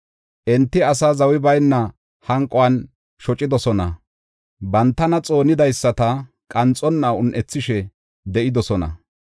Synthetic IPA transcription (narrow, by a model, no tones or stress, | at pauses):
ʔɛnt̪ːɪɐs̬ɐzɐwɪbɐjnːɐ | hɐŋkʼːɔwɐn | ʃɔt͡ʃʼɪd̪ɔsɔnɐ | bɐnt̪ːɐnɐt͡sʼo̞ːnɪd̪ɐjsːɐt̪ɐ | kʼɐnt͡sʼɔnːɐʊnʔɛt͡sːɪʃɛ | d̪ɛʔɪd̪ɔsɔnɐ̰